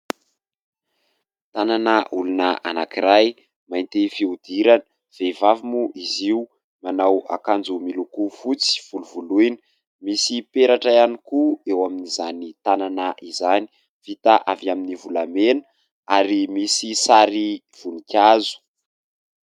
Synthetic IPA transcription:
t̪ananəʔulunəʔa̰nakiɾaj | majnt̪efiud̪iɾanə | v̥evavimuʔiziu | manawa̰kand͡zumilukufut͡si̥v̥uluvulujnə | misipeɾaʈ͡ʂaianikuewaminizanit̪ananaʔizani̥ | v̥it̪aʔavaminivulamenə | aɾimisisaɾiv̥unikʲjazu̥

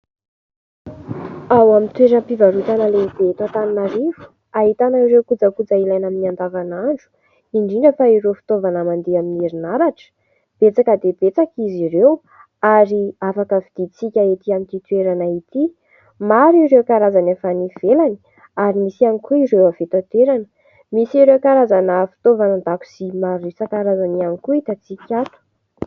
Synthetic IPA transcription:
awamint̪weɾəpivaɾut̪anəleib̪et̪at̪aninaɾivu̥ | aɦit̪anaiɾewkud͡zəkud͡zailajnaminiand̪avanaɳɖ͡ʐu̥ | iɳɖ͡ʐiɳɖ͡ʐəfaiɾewfi̥t̪ovanəmand̪eaminiɾinaɾaʈ͡ʂə̥ | b̥et͡sakəd̪ebet͡sakizirew | aɾiafakəvid̪̥it͡sikʲaet̪iamint̪it̪weɾanait̪i | maɾiɾewkaɾazanefaniv̥elani̥ | aɾimisianikuiɾewavet̪at̪eɾanə | misiɾewkaɾazanəfi̥t̪ovanənd̪aku̥simaɾisakaɾazanianikuit̪at͡sikʲat̪u̥

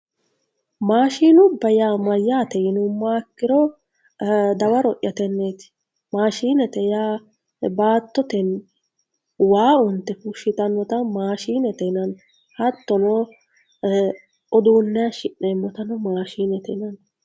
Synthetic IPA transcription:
maːʃiːnʊbɐjaːmɐjːaːt̪ɛjɪnʊmːaːkːɪɾɔ | d̪ɐwɐɾɔʔjɐt̪ɛnːeːt̪ɪ̥ | maːʃiːnɛt̪ɛjaː | baːt̪ːɔt̪ɛn | waːʊnt̪ːɛfʊʃɪt̪ɐnːɔt̪ɐmaːʃiːnɛt̪ɛnɐn | hɐt̪ːɔno | ɔd̪uːnːɛɐʃɪʔːeːmːɔt̪ɐnɔmaːʃiːnɛt̪ɛnɐn

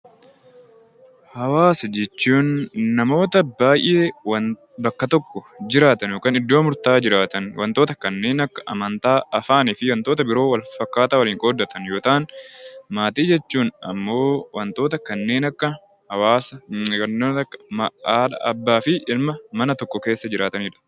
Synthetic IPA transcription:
hɐwaːsɐd͡ʒɛt͡ʃːuːnːɐmo̞ːt̪ɐbaːjʔeːwɐ | bɐkːɐt̪ɔkːɔd͡ʒɪɾaːt̪ɐnjoːkaːnɪd̪ːoːmʊɾt̪aːd͡ʒɪɾaːt̪ɐnwɐnt̪o̞ːt̪ɐkɐnːe̞ːnɐkːɐ̥ʔɐ̰mɐnt̪aːɐfaːnɪfɪwɐnt̪o̞ːt̪ɐbɪɾo̞ːwɐlfɐkːaːt̪aːwɐliːŋkʼoːd̪ːɐt̪ɐnjo̞ːt̪aːnmaːt̪iːd͡ʒɛt͡ʃːuːnɐ̰mːo̞ːwɐnt̪o̞ːt̪ɐkɐnːe̞ːnɐkːɐ | hɐwaːsɐː | ɐkːɐ̥ːᶑɐ̰ʔɐ̰bːaːfɪʔɪlmɐmɐnɐt̪ɔkːɔke̞ːsːɐd͡ʒɪɾaːt̪ɐnɪᶑɐ̥

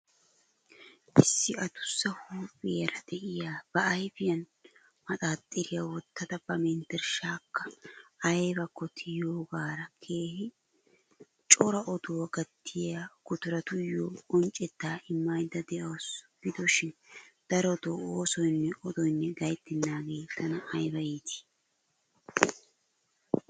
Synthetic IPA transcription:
ʔɪsːɪɐt̪ʊ̥sːɐhuːpʼːɪjɐɾɐd̪̥ɛʔɪjaːb̥ɐːjfɪjɐn | mɐt̪ʼaːt̪ʼːɪɾɪjawɔt̪ːɐd̪ɐb̥ɐmɛnt̪ɛɾʃaːkːɐɐbɐkːɔt̪ʰɪjoːɡaːɾɐkʰe̞ːhɪ | t͡ʃʼɔɾɐʔɔd̪owɐɡɐt̪ʰːɪjaɡ̥ʊt̪ʊɾɐt̪ʊjːoːɔnt͡ʃʼːɛt̪ːaːʔɪmːɐjd̪ːɐd̪ɛʔɐwsɡ̥ɪd̪ɔʃɪnd̪̥ɐɾɔd̪ooːsɔjnːɛʔɔd̪ɔjnːɛɡɐjt̪ːɪnːaːɡeːt̪ʰːɐnɐːjbɐjiːt̪ɪ̥

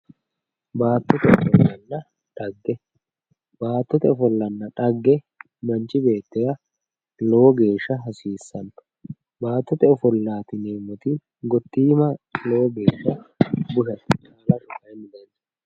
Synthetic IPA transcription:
baːt̪ːɔt̪ɛɔ̰fɔlːɐnːɐ | ᶑ̪ɐɡːɛ | baːt̪ːɔt̪ɛɔfɔlːɐnːɐᶑɐɡːɛ | mɐnt͡ʃʼːɪbe̞ːt̪ːɛjɐ | loːɔɡe̞ːʃːɐɦɐsiːsːɐn | baːt̪ːɔt̪ɛɔfɔlːaːt̪ɪneːmːɔt̪iːn | ɡɔt̪ːiːmɐlo̞ːɔɡe̞ːʃːɐbʊʃɐt̪ːɪ̥t͡ʃaːlɐʃɔfɐjmɪd̪ɐn

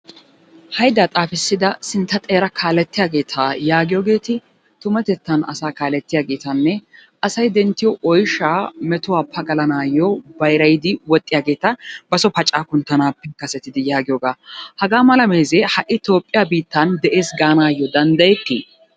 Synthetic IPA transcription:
hɐjd̪aːt̪ʼaːfɪsːɪd̪ɐsɪnt̪ːɐt̪ʼeːɾɐkʰaːlɛt̪ːɪjaːɡe̞ːt̪ʰɐjaːɡɪjoːɡe̞ːt̪ɪ | t̪ʊmɐt̪ɛt̪ːɐnɐ̰saːkaːlɛt̪ːɪjaːɡe̞ːt̪ɐnːɛʔɐsɐjd̪ɛnt̪ːɪjɔʔɔjʃːaːmɛt̪ʊwaːpʰɐɡɐlɐnaːjːɔbɐjɾɐjɪd̪ɪwɔt̪ʼːɪjaːɡe̞ːt̪ɐb̥ɐsɔpɐt͡ʃʼːaːkʊnt̪ːɐnaːpːɛkɐsɛt̪ːɪd̪ɪjaːɡɪjoːɡaːhɐɡaːmɐlɐmeːzehɐʔɪt̪oːpʼːɪjabiːt̪ːɐnd̪ɛʔe̞ːsɡaːnaːjːɔd̪ɐnd̪ɐjɛt̪ːḭ

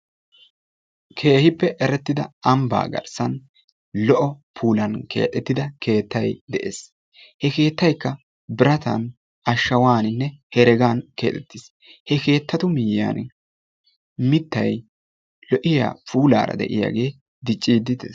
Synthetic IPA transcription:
kʰe̞ːhɪpːɛʔɛɾɛt̪ːɪd̪ɐɐmba̰ːɡɐ̰ɾsɐn | lɔʔɔpʰuːlɐnke̞̰ːt̪ʼɛt̪ːɪd̪ɐkʰe̞ːt̪ːɐjd̪ɛʔeːs | hɛke̞ːt̪ːɐjkːɐ | bɪɾɐt̪ɐ̰n | ɐʃːɐwaːnɪnːɛhɛɾɛɡaːnke̞̰ːt̪ʼɛt̪ːɪs | hɛke̞ːt̪ʰːɐt̪ʊmɪjja̰ːn | mɪt̪ːɐj | lɔʔɪja̰ːpuːla̰ːɾɐ̰d̪ɛ̰ʔɪja̰ːɡe̞ː | d̪ɪt͡ʃʼːiːd̪ɪd̪ḛs

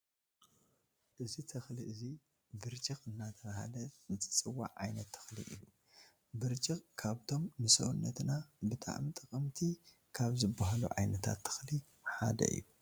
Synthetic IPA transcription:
ʔɨzit̪ʰɨxliʔɨzi | bɨɾt͡ʃʼixɨnːat̪ʰɐβaha̰lɐzɨt͡s̪ʼɨ̥t͡sʼɨwa̰ʕʕajnɐt̪ʰːɨ̥xlḭʔɨ̰ju | bɨɾt͡ʃʼixkʰaβt̪ʰo̞mnɨsɐwunːɐt̪nabɨt̪ʰʼa̰ʕmt̪ʼɐkʼɨmt̪ʰi | kʰaβzɨbaɦalṵʕa̰jnɐt̪ʰa̰t̪ʰːɨ̥xli | ħa̰d̪ɐ̰ʔɨ̰ju

